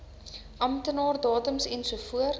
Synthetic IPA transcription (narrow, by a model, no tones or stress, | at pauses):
ʔɐmtənɑːrdɑːtəmsɛnsuəfuər